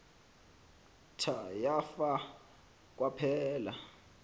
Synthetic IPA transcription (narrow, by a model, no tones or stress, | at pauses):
tʰajafa | k̬ʼwapʰɛːla